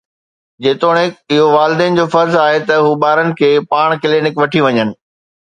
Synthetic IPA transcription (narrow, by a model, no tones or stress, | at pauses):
d͡ʑeːt̪oːɽ̃ɪkɪɦoʋaːlɪd̪eːn̆d͡ʑoːfɐɾzaːɦet̪ɐɦuːɓaːɾənɪ̆kʰeːpaːɽ̃kɪleːnɪkʋɐʈʰiʋɐɲənɪ̆